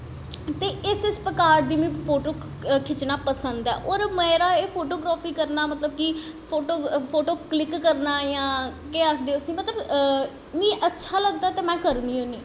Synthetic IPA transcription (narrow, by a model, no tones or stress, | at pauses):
t̪eːɪsɪspəkaːɾd̪iːmĩːpʰoːʈoː | kʰɪt͡ʃnaːpəsə̃nd̪ɛ̰ːʔoːɾmɛ̃ːɾaːeːpʰoːʈoːɡɾaːpʰiːkəɾnaːmət̪ləb̚ki | pʰoːʈoːpʰoːʈoːklɪkːəɾnaːjãːkeːəkʰd̪eːosĩːmət̪ləb | mĩːʔətːʃʰaːləɡd̪aːt̪eːmɛ̃ːkəɾniːɦoːniː